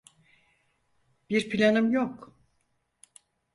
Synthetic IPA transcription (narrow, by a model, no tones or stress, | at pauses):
b̥iɾpʰilʲanɯmjok